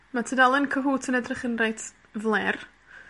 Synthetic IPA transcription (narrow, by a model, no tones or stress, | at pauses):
matʰədalˠɪnkʰəɦuːtʰənədrəχənrajtʰ | vlˠɛr